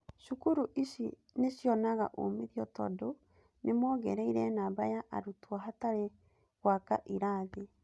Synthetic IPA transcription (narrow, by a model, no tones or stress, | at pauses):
ʃukuɾuʔisḭ | nesjɔnaɣa̰ʔo̰miɾiɔtɔ̰do | nemɔːɣɛɾɛiɾɛnabajaʔa̰ɾutwaɦataɾe | ɣwaka̰ʔiɾaːðe